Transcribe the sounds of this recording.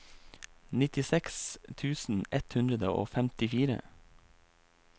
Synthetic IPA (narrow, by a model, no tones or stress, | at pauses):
nɪt̪ɪsɛkst̪ʰʉːsn̩ʔɛt̪hʉnd̪ɾəd̪əo̰ːfɛmt̪ɪfiːɾə̰